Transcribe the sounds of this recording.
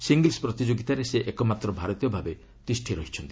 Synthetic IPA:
siŋɡilspɾɔt̪id͡ʒoɡit̪aɾeseʔekɔmat̪ɾɔbʱaɾɔt̪ijɔbʱabe | t̪isʈʰiɾɔɦit͡ʃʰɔnt̪i

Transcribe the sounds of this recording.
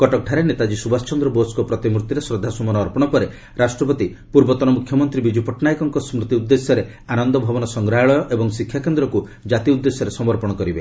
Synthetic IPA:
kɔʈɔk̚ɖʰʱaɾenet̪ad͡ʒisubast͡ʃɔnd̪ɾɔboskɔpɾɔt̪imɾut̪iɾesɾɔd̪ʱːasɔmɔnɔːɾpɔɽ̃ɔpɔɾe | ɾasʈɾɔpɔt̪ipuɾbɔt̪ɔnɔmukʰjɔmɔnt̪ɾibid͡ʒupɔʈnajkɔŋkɔsmɾut̪iud̪ːesjɔɾe | anɔnd̪ɔbʱabɔnɔsɔŋɡɾaɭɔjɔʔebɔŋsikʰːjakend̪ɾɔkud͡ʒat̪iud̪ːesjɔɾesɔmɔɾpɔɽ̃ɔkɔɾibe

